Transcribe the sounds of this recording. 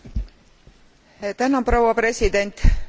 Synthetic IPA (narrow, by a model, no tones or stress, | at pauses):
t̪ænɑprɑwɑpre̞sʲid̪e̞nʲt̪ˑ